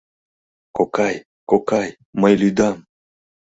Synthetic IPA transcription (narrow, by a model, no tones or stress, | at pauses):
kokaj | kokaj | majlyd̪am